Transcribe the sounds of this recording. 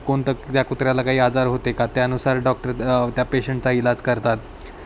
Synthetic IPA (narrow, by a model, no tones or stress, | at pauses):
koɳt̪ət̪jakut̪ɾjalakaɦiːad͡zaɾɦot̪ekat̪jaənusaɾɖɔk̚ʈəɾt̪japeɕəɳʈ̚t͡sailad͡zkəɾt̪at̪